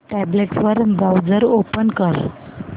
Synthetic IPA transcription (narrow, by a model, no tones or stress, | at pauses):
ʈæbleʈsʋəɾbawd͡zəɾopənkəɾ